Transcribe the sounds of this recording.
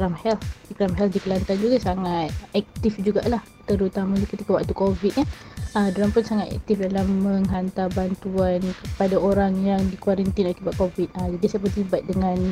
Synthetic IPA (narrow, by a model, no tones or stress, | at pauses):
kɾamhɛlikɾamɦɛldikəlant̪and͡ʒuɡasaŋat̪̚ɛk̚t̪ifd͡ʒuɡaʔlah | t̪əɾut̪amãɲakət̪ikawa̰k̚t̪ukovit̪̚ɲaədolampʊnsaŋat̪ɛ̰k̚t̪ifdalamːəŋɦant̪abant̪uankəpadaoɾaŋjaŋdikwaɾənt̪inakibat̪̚kovit̪̚ad͡ʒadisaəp̬ərt̪ibat̪̚dəŋan